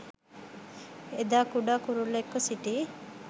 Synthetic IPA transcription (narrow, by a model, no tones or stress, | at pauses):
ed̪aːkuɖaːkuɾulekːosiʈi